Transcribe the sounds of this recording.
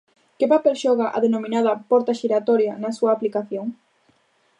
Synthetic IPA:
kɪpapelʃɔɣaʔa̰ðenomĩnað̞ɐpɔɾt̪aʃiɾat̪ɔɾjanɐsuɐːplikaθjoŋ

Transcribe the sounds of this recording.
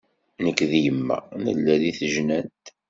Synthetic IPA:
nəkːðijəmːæ̰nə̰lːæliθəʒnænt̪

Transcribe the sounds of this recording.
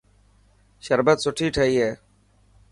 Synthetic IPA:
ʃəɾbət̪soʈʰiːʈʰəieː

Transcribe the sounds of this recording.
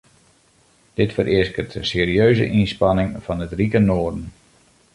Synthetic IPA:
d̥ɪtfəɾʔɪskərtəseːɾiøːzə̰ʔinspɑnɪŋfɑnətrikənoərdən

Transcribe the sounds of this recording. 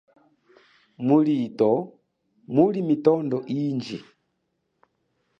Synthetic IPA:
mulitɔ | mulimitɔndɔʔind͡ʒḭ

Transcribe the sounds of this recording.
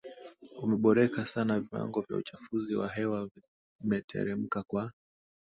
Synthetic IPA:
umɛɓɔɾɛkasanaviwa̰ŋɡɔvja̰ut͡ʃafuziwa̰ɦɛwa | mɛtʰɛ̰ɾɛm̩kakwa

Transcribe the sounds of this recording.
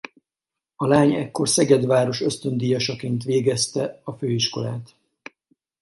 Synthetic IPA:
ɒlaːɲɛkːo̞rsɛɡɛd̪ʋaːɾo̞ʃø̞st̪ø̞nd̪iːjɒʃɒkeːnt̪ʋeːɡɛst̪ɛɒføːiʃko̞̰la̰ːt̪

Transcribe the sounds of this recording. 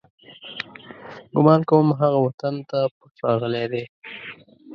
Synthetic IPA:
ɡʊmɑnkawəmɦaɣawat̪ant̪apəsɑɣəled̪e

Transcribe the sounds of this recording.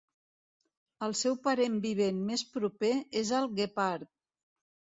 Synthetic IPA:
əlˠsɛwpəɾembiβenmespɾupeezəlˠɣepaɾt̪̚

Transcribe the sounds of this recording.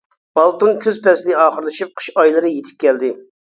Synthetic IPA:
ɑlˠt̪ɨnkʲʰøzpɛslɪɑːχəɾlˠɨʃip̚qʰə̥ʃɑjlˠɨɾɨjet̪ʰɪ̥p̚kʲɛld̪ɪ

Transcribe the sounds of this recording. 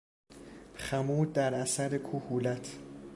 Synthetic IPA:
xæmuːd̪̚d̪æɾʔæsæɾekʰuhuːlæt̪ʰ

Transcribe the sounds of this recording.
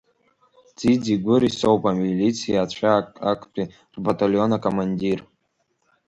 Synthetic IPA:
d͡zid͡ziɡʷʊɾisowpʼamilit͡sʰijaːt͡ɕʷʰaa̰kʷʼpʼi | rbatʼalonakʼomanʲdʲir

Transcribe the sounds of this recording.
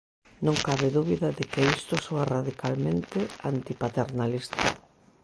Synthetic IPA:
nõŋkaβɪðuβiðaðɪkeist̪ʊsoaraðikʰalmẽnt̪ɪant̪ipat̪eɾnalist̪a̰

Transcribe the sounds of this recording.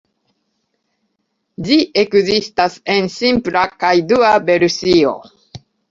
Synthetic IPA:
d͡ʒiʔe̞kzistase̞nsimplakajduabe̞ɾusio̞̰

